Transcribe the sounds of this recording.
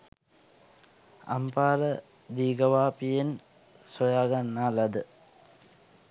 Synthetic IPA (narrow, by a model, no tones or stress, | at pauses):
a̰mpaːɾə | d̪iːɡəʋaːpijen | sojaːɡanːaːlad̪ə